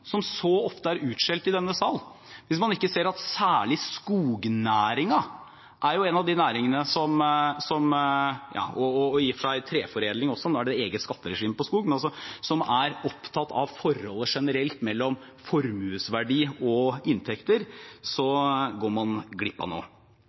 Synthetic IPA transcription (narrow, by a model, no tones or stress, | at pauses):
sɔmsɔɔft̪əæɾʉːt̪ʂɛlt̪ɪd̪ɛnːəsɑːl | ʋɪsmɑnɪkːəseːɾɑt̪sæːɭɪskuːɡnæːɾɪŋɑ | ʔæɾjʊɛnɑʋd̪ɪnæːɾɪŋənəsɔmsɔmjɑ̰ːɔɔːjiːfəʂæɪt̪ʰɾeːfɔɾeːd̪lɪŋɔsːɔnoːæɖɛeːɡət̪skɑt̪ːəɾɛʂiːmpɔskuːɡmɛnɑs̬ɔsɔmæɾɔpt̪ʰɑt̪ʰːɑ̰ʋfɔɾhɔlːəʂɛnəɾɛlt̪mɛlːɔm | fɔɾmʉːsʋæɖiːɔɪnt̪ʰɛkt̪əɾsɔɡoːɾmɑnɡlɪpːɑ̰no̰ː